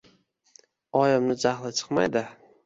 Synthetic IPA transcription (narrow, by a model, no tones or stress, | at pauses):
ɒjɪmnɪd͡ʒahlˠɪt͡ʃʰɨ̥qma̰jd̪ɪ